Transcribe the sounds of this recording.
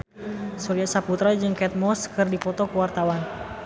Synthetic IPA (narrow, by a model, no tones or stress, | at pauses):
suliasaput̪ɾad͡ʒɨŋkɛt̪̚mɔskɨrdifɔt̪ɔkuwart̪awan